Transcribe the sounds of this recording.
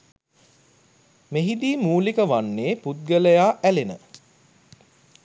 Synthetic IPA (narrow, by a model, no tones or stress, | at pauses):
meɦid̪iːmuːlikəʋanːeːput̪̚ɡələjaːʔælenə̰